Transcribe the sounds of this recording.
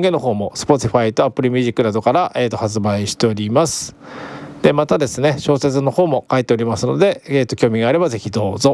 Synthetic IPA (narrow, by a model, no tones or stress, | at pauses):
ŋɡe̞noɦo̞ːmo̞sɨ̥po̞t̪ʲiɸait̪o̞apːɯ̟ɾʲimʲiʑikːɯnad̪o̞kaɾaʔe̞ːt̪o̞hat͡sɨbaiɕi̥t̪e̞o̞ɾʲimasɨ̥ | d̪̥e̞mat̪ad̪e̞sɨne̞ɕo̞ːse̞t͡sɨno̞ho̞ːmo̞kait̪ːe̞o̞ɾʲimasɨno̞d̪e̞eːt̪ːo̞kʲo̞ːmʲiɡaːɾe̞baze̞çʲid̪o̞ːzo